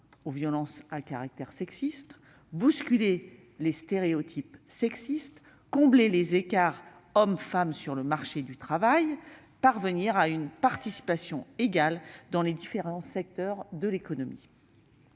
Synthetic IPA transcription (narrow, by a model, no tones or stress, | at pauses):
ovjɔlɑ̃sakaʁak̚t̪ɛʁsɛksist̪ | buskʲyle | lest̪eʁeot̪ʰipsɛksist̪ | kɔ̃blelezekaʁ | ɔmfamsyʁləmaʁʃed̪yt̪χavaj | paʁvəniʁaynpaʁt̪isi̥pasjɔ̃eɡald̪ɑ̃led̪ifeʁɑ̃sɛk̚t̪œʁd̪əlekɔnɔmḭ